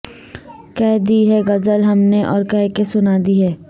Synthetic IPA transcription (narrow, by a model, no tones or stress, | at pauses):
kɛːd̪iːɦɛɡɐzəlɦɐmneʔɔːɾkɛɦkesʊnaːd̪iɦɛː